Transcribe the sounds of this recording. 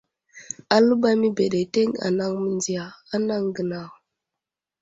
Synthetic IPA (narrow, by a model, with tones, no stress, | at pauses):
a˨lə˦ba˦mi˦be˨ɗe˨te˦ŋa̰˨na˦ŋmə˨nd͡zi˨ja˨a˦na˦ŋɡə˨na˨